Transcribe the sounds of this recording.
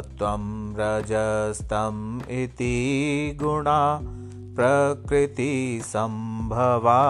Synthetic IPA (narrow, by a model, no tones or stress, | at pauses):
t̪ʋɐmɾɐd͡ʒɐst̪ʰɐmit̪iɡuɳa | pɾɐkɾit̪isɐmbʱɐʋa